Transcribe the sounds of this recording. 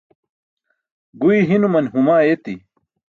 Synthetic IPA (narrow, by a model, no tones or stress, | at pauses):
ɡuiɦinumɐnɦumaːet̪i